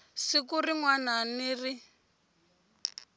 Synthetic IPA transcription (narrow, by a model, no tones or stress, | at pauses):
sikuriŋwananiri